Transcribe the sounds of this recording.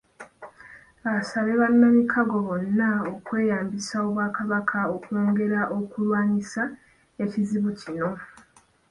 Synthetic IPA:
βasaβe̞βanːamikʰaɡo̞βo̞nːaokwe̞ːjaːmbisao̞βwaːkaβakʰao̞kwoːŋɡe̞ɾaʔo̞kulwaːɲisa | e̞ciziβucino̞

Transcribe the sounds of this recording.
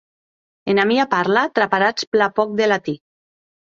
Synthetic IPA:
enamiapaɾlat̪ɾapaɾat͡splapɔk̚d̪elat̪i

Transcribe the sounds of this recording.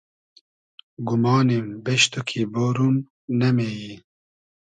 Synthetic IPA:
ɡumɑːnembɛʃt̪ukʰiːboːɾum | nɛmeːji

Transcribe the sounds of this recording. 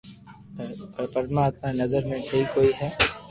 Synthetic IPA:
pɾpəɾmaːt̪manɐzəɾmẽsɐɦikoːiɦɛː

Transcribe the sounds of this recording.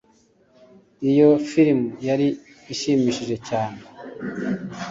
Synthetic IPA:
ijo̞fiɾimujaɾiː | ʃimiːʃiʒe̞caːne

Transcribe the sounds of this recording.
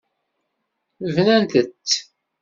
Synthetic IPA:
əvnænt̪ət͡sː

